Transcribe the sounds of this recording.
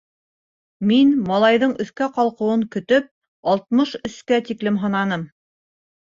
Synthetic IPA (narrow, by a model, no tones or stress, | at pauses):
minmɑlˠɑjðɤɴɵ̆θkæqɑlˠqɤ̆wɤŋkɵ̆t̪ɵp̚ | ɑlˠt̪̚mɤʃɵ̆skæt̪iklɘmɦɤ̆nɑnɤm